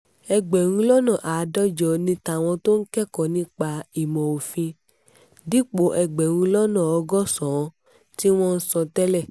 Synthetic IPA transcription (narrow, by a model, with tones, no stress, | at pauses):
ɛ˧ɡ͡bɛ˨ɾ̃ũ˧lɔ˦nɔ̃˨ʔa˨˦dɔ˦d͡ʒɔ˨nĩ˧ta˨w̃ɔ̃˧to˦n̩˦kɛ˦kɔ˨nĩ˧k͡pa˧i˨mɔ̃˨o˨fĩ˧ | di˦k͡po˨˦ʔɛ˧ɡ͡bɛ˨ɾ̃ũ˧lɔ˦nɔ̃˦˨ɔ˧ɡɔ˦sɔ̃˨˧ | ti˦w̃ɔ̃˦n̩˦sɔ̃˧tɛ˦lɛ˦˨